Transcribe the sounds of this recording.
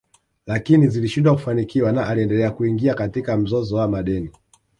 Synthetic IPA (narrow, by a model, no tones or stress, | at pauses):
lakiniziliʃindwaku̥fanikiwanaʔaliɛndɛlɛakuiŋɡiakatikam̩zɔzɔwamaɗɛni